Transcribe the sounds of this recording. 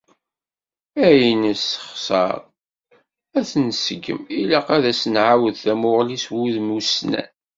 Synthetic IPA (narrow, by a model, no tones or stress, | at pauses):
æjnisə̥χsˤɑ̰ɾˤ | æθənsəɡːə̰milæqæðæsənʕawəðθæmʊʁliswuðmusnæ̰n